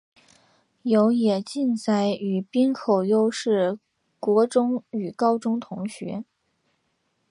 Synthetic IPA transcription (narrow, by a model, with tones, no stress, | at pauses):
jo˧˥ʊjɛ˨˩t͡ɕi˥˧nt͡sa˥˩ɪy˨˩pi˥nkʰo˨˩ʊjo˥ʊʂɻ̩˥˩ | kwɔ˧˥ʈ͡ʂʊ˥ŋy˨˩kɑ˥ʊʈ͡ʂʊ˥ŋt̪ʰʊ˧˥ŋɕɥɛ̰˧˥